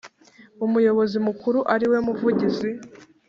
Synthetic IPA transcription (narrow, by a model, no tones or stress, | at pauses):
umujo̞βo̞zimukuɾuʔaɾiwe̞muvuɟizi